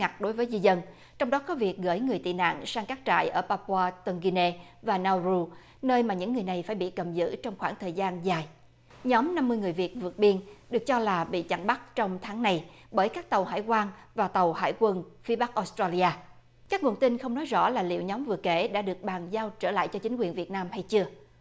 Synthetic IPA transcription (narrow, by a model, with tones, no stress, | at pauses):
ŋa˨˩k̚ɗo˨˦jvəː˨˦jzi˧zə˧n | t͡ɕɔ˧wŋ͡mɗɔ˨˦kɔ˨˦vi˨˩ək̚ɣə̰ː˧˥˩jŋɨ˨˩əjt̪ḭ˧˨na̰ː˧˨ŋsaː˧ŋkaː˦˥k̚t͡ɕa̰ː˧˨jʔəː˧˩paː˧pwaː˧t̪ə˧nɣi˧ne˧ | vaː˨˩naː˧wzu˧ | nəː˧jmaː˨˩ɲɨ̰˧˥ŋːɨ˨˩əjna˨˩jfaː˧˩jɓḭ˧˨kə˨˩mzɨ̰˧˥t͡ɕɔ˧wŋ͡mxwaː˧˩ŋt̪ʰəː˨˩jzaː˧nzaː˨˩j | ɲɔ˨˦mna˧mːɨ˧əjŋɨ˨˩əjvi˨˩ət̚vɨ˨˩ət̚ɓi˧ənɗɨ˨˩ək̚t͡ɕɔ˧laː˨˩ɓḭ˧˨t͡ɕa̰˧˩ŋɓa˦˥t̚t͡ɕɔ˧wŋ͡mt̪ʰaː˨˦ŋna˨˩j | ɓəː˧˩jkaː˦˥k̚t̪ə˨˩wɦa̰ː˧˥˨jkwaː˧ŋvaː˨˩t̪ə˨˩wha̰ː˧˩jkwə˧nfi˨˦ɓa˦˥k̚ʔo˨˦˥st̪ɾaː˧li˧ʔaː˧ | kaː˦˥k̚ŋu˨˩ənt̪i˧nxə˧wŋ͡mnɔ˨˦jzɔ̰˧˥laː˨˩lḭ˧˨wɲɔ˨˦mvɨ˨˩əke˧˩˦ɗa̰ː˧˥ɗɨ˨˩ək̚ɓaː˨˩ŋzaː˧wt͡ɕəː˧˩la̰ː˧˨jt͡ɕɔ˧t͡ɕï˨˦ŋ̟kwi˨˩ənvi˨˩ət̚naː˧mha˧jt͡ɕɨ˧ə